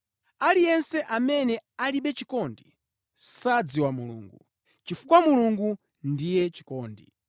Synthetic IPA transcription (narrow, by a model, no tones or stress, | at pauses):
alijɛnsɛʔamɛnɛaliɓɛt͡ʃikɔndi | sad͡ziwamulṵːŋɡuu | t͡ʃifukwamuluŋɡu | ndijɛt͡ʃi̥kɔːndḭ